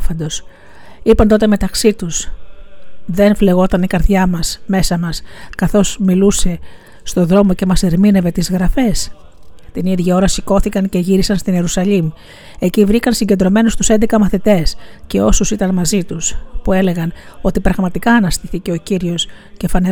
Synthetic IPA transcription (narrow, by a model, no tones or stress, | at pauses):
fɐnd̪o̞s | ipɐnt̪o̞t̪e̞me̞t̪ɐksit̪us | ðe̞nfle̞ɣo̞t̪ɐnikɐɾðʝɐmɐsme̞sɐmɐskɐθo̞zmiluse̞ | st̪o̞ðɾo̞mo̞ce̞mɐse̞ɾmine̞ve̞t̪izɣɾɐfe̞s | t̪iniðʝio̞ɾɐsiko̞θikɐnce̞ʝiɾisɐnst̪ine̞ɾusɐʎim | e̞civɾikɐnsiɲɟed̪ɾo̞me̞nost̪u̥se̞nd̪ekɐmɐθit̪e̞sce̞o̞susit̪ɐnmɐzit̪uspue̞le̞ɣɐno̞t̪ipɾɐɣmɐt̪ikɐːnɐst̪iθice̞o̞ciɾio̞s | ce̞fɐne